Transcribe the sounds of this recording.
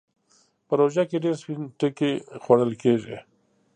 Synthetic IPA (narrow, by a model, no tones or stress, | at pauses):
pəɾoʒakeɖeɾspinʈəkexwaɽəlkeʒḭ